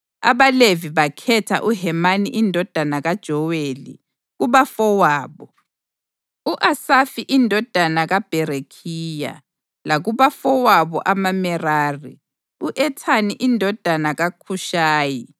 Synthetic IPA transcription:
a̰βaleviβakʰɛtʰa̰ʔuɦɛmaniʔindʱɔd̥ʱanaɣad̥ʒ̥ʱɔwelḭ | ɣuβafɔwaːβɔ | uʔasafiʔindʱɔd̥ʱanaɣab̥ʱɛɾekʰiːja̰ | laɣuβafɔwaβɔ̰ʔamamɛraːrḭ | uʔɛtʰaniʔindʱɔd̥ʱanaɣakʰuʃaːji

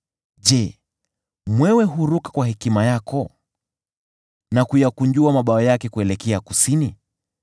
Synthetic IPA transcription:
ʄɛ | mwɛwɛɦuɾukḁkwaɦɛkimajakɔ | nakujakuɲd͡ʒuamaɓaɔjakɛkuɛlɛkɛakusini

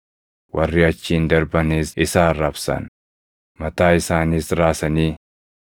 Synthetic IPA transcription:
wʔɐrːɪɐt͡ʃːiːnd̪ɐɾbɐniːsɪsaːrɐbsɐ̰n | mɐt̪aːɪsaːniːsɾaːsɐniː

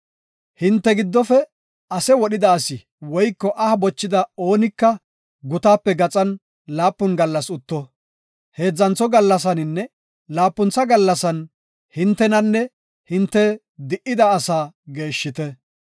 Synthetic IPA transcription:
hɪnt̪ːɛɡɪd̪ːɔfɛ | ɐsɛwɔɗɪd̪ɐːsɪ | wɔjkːɔʔɐhɐbɔt͡ʃːɪd̪ɐo̞ːnɪkːɐ | ɡʊt̪aːpːɛɡɐt͡sʼɐn | laːpːʊnɡɐlːɐsʊt̪ːɔ | he̞ːd͡zːɐnt͡sɔɡɐlːɐs̬ɐnɪnːɛ | laːpːʊnt͡sːɐɡɐlːɐsɐn | hɪnt̪ːɛnɐnːɛ | hɪnt̪ːɛ | d̪ɪʔːɪd̪ɐːsaːɡe̞ːʃːɪt̪ɛ

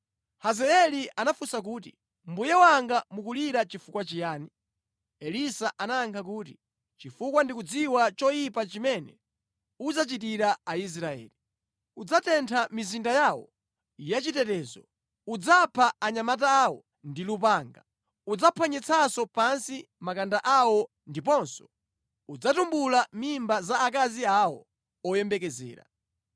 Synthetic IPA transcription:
hazɛɛlianafusak̬uːtḭ | m̩bujɛwaŋɡamukuliɾat͡ʃifukwat͡ʃijaːni | ɛlisaʔanaːŋkʰak̬uːt̬i | t͡ʃifukwandikud͡ziwat͡ʃɔjipat͡ʃimɛnɛ̰ | ud͡zat͡ʃitiɾaais̬ɾaɛ̰ːli | ud͡zatɛntʰamizindajawɔ̰ | ijat͡ʃitɛtɛːzɔ | ud͡zapʰaaɲamataːwɔ̰ | ndilupaːŋɡa | ud͡zapʰaɲɛt͡sʰasɔpansi | makandaʔawɔ | ndipɔnsɔ̥ | ud͡zatumbulamimbazaːkaziawɔ̰ | ɔjɛmbɛkɛzɛ̰ːɾa̰

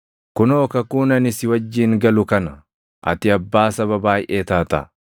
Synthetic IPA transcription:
kʊno̞ːkɐkuːnɐnɪsɪwɐd͡ʒːiːŋɡɐlʊkɐnɐ | ʔɐ̰t̪ɪɐbːaːsɐβɐbaːjʔeːt̪aːt̪ɐ̰

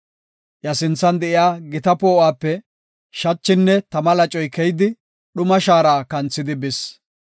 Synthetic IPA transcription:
jɐsɪnt͡sːɐnd̪ɛʔɪjaːɡɪt̪ɐpoːaːpːɛ | ʃɐt͡ʃːɪnːɛt̪ɐmɐlɐt͡ʃʼɔjkɛjd̪ɪ | ɗʊmɐʃaːɾaːkɐnt͡sːɪd̪ɪbɪs

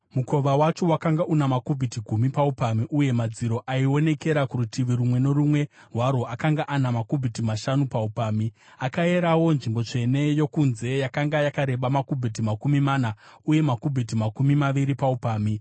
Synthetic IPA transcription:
muko̞ʋawat͡ʃo̞wakaŋɡaʔunamakubʱitiɡʱumipaupamiʔuje̞mad͡ziɾo̞ʔaio̞ne̞ke̞ɾakuɾutʰiʋiɾumwe̞no̞rumwe̞rwaɾo̞akaŋɡaʔanamakubʱitimaʃanupaupaːmi | akae̞ɾawo̞nʐimbo̞t͡ʂe̞ne̞jo̞kunze̞jakaŋɡajakaɾe̞ɓamakubʱit̬imakumimanauje̞makubʱit̬imakumimaʋiɾipaupaːmi

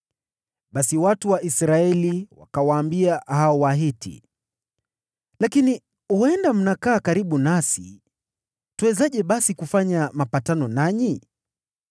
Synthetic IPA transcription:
ɓasiwatuwaʔisɾaɛliwa̰kawaːmbiahaɔwaɦitʰḭ | lakini | huɛndam̩nakaːkaɾiɓunasḭ | tuɛzaʄɛɓasikufaɲamapatanɔnaɲi

